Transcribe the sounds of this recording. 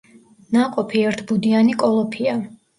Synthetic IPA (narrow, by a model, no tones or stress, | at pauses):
naqʼɔpʰiɛɾt̪ʰbud̪ianikʼɔlˠɔpʰia